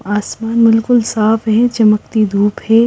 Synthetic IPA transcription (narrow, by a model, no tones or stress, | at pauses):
aːsmaːnbɪlkʊlsaːfɦɛ̃t͡ʃɐmək̚t̪id̪ʱuːphɛː